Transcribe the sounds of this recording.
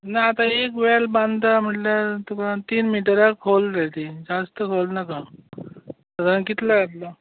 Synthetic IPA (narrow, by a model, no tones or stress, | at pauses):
naːt̪ãekʋelbãnd̪t̪am̤əʈlat̪ukat̪iːnmiʈəɾakʰolɾat̪id͡zast̪əkʰolnaka | t̪əd̪anakit̪laɡat̪la